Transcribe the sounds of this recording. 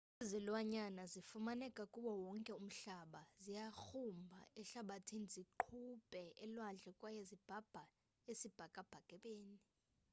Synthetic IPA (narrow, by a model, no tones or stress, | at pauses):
izilwaɲanazifumanɛkʼakʼuɓɔwɔŋkʼɛum̩ɬaɓazijaxumbʱa̰ɛɬaɓatʰiniziǃʰupʼɛʔɛlwand͡ɮʱɛkʼwajezib̥ʱab̥ʱa | esib̥ʱakʼab̥ʱaɡ̥ʱɛɓeːni